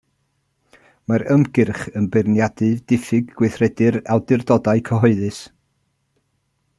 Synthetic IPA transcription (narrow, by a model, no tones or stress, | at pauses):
maɾəmɡɪrχənbɪrnjadɨdɪfɨɡːwɪθrɛdɨɾalˠdɪrdɔdaɨkʰəɦɔɨðɨs